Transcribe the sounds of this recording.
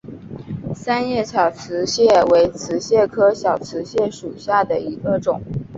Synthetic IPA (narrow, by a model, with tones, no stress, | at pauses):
sa˥njɛ˥˩t͡ɕʰjɑ˨˩ʊt͡sʰɹ̩˧˥ɕjɛ˥˩we˧˥ɪt͡sʰɹ̩˧˥ɕjɛ˥˩kʰɤ˥ɕjɑ˨˩ʊt͡sʰɹ̩˧˥ɕjɛ˥˩ʂu˨˩ɕja˥˩d̪ə˩i˧˥ɡə˧ʈ͡ʂʊ˨˩˦ŋ